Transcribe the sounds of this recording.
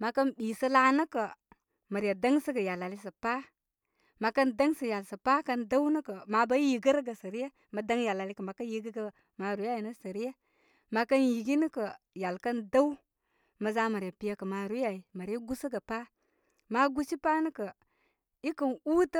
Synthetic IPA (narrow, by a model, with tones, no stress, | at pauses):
ma˨kə˦nbi˨sə˦la˦nə˦kə˨ | mə˨ɾa˨da˦ŋsə˦ɡə˨ja˨la˨li˦s̬ə˨pa˦ | ma˨kə˦nda˦ŋsə˨ja˨lsə˨pa˦kə˦nda˦wnə˦kə˨ma˨ba˦ji˨ɡə˦ɾɡə˨sə˨ɾi˦je˦ | mə˨da˦ŋja˨la˨li˦kə˨ma˨kə˦ji˨ɡi˦ɡə˦ | ma˨ɾu˨˦a˦˨i˨nə˦sə˨ɾi˦je˦ | ma˨kə˦nji˨ɡi˦nə˦kə˨ | ja˨lkə˦nda˦w | mə˨za˦mə˨ɾja˨pi˦ja˦kə˨ma˨ɾu˦a˨i˨ma˨ɾa˦ɡu˦sə˦ɡə˨pa˦ | ma˦ɡu˦t͡ʃi˦pa˦nə˦kə˨ | i˦kə˨nu˦tə˦